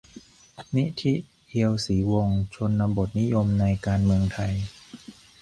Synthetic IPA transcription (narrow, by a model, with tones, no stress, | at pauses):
ni˦˥t̪ʰi˦˥ | hʰi˧əwsiː˩˦wo˧ŋt͡ɕʰo˧nːa˧mbo˨˩t̪̚ni˦˥jo˧mna˧jkaː˧nmɯ˧əŋt̪ʰa˧j